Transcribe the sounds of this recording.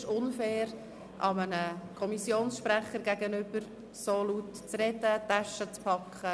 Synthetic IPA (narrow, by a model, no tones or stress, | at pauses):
ʃʊnfɛːɾ | ʔɑmənəkʰɔmisjoːnsʃpɾæχəɾɡæɡənʏbəɾ | solut | t͡srɛd̪ət̪æʃət͡spʰɑkʰχə